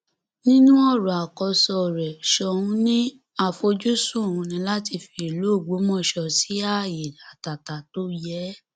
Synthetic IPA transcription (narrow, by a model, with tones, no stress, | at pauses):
nĩ˦nũ˦ɔ˦˨ɾɔ˨a˨kɔ˧sɔ˧˨ɾɛ˨ʃɔ˧˦ũ˧˦nĩ˦ | a˦˨fo˧d͡ʒu˦sũ˦˨ũ˧nĩ˧la˦ti˧fi˧˦i˨lu˨˦o˦˨ɡ͡bo˨˦mɔ̃˦˨ʃɔ˧si˨˦a˦˨ji˨a˨ta˨ta˨to˦jɛ˨˦